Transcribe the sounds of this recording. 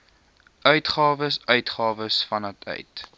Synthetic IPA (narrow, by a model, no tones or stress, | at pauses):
ʔœɥtχɑːvəsœɥtχɑːvəsfɐnɐtʰœ̰ɥt